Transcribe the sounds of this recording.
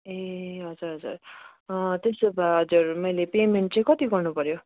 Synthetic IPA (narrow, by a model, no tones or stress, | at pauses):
eɦʌd͡zuɾɦʌd͡zṵr | t̪esobaɦʌd͡zuʌɾumʌjlepemeɳʈ̚t͡saj̃kʌt̪iɡʌrnupʌɾjo